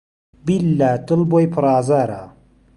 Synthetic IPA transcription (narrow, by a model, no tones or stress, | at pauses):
bilːaːtɨlbojpʰʊɾaːzaɾa̰ː